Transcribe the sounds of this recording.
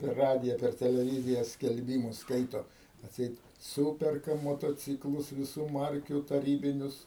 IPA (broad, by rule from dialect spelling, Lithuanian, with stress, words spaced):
pʲɛr ˈrɑːdʲɪjɛ pʲɛr tʲɛlʲɛˈʋʲiːzʲɪjɛ sʲkʲɛlʲˈbʲiːmʊs ˈskɐɪtoː ɐtʲˈsʲɛɪt ˈsuːpʲɛrkɐ moːtoːˈt͡sʲiːklˠʊs ʋʲɪˈsuː ˈmɐrʲkʲuː tɐˈrʲiːbʲɪnʲʊs